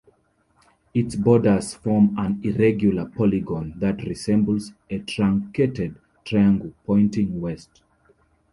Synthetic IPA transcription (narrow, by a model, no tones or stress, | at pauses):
itsbɔdə˞z̥fɔmãniɹɛɡjuləpʰɔliɡɔ̃nðatɹisɛ̃mbl̩zetʰɹãŋkʰetɛd̚ | tʰɹajãŋɡəlpʰɔ̃ɪ̃ntĩŋwɛst